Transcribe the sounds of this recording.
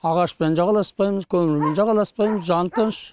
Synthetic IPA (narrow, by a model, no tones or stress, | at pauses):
ɑʁɑʃpend͡ʒɑʁɑlˠɑspɑjməzkʲʰɵmɪɾme̞nd͡ʒɑʁɑlˠɑspɑjməzʒɑnt̪ənʃ